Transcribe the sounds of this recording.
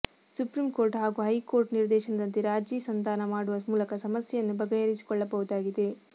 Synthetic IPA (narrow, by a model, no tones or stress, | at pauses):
supɾimkoːɾʈɦaːɡuːɦɐjko̞ːɾʈniɾd̪ɛːʃɐnɐd̪ɐnt̪iɾaːd͡ʒiːsɐnt̪aːnɐmaːɽuʋɐmuːlɐkɐsɐmɐsjɛjɐnːubɐɡɐjeɾisi̥kɔɭːɐbɐʋud̪aːɡid̪e̞